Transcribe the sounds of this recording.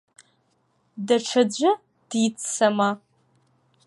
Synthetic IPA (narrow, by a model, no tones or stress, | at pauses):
daʈ͡ʂʰad͡ʑʷʊ | d̥jit͡sʰsama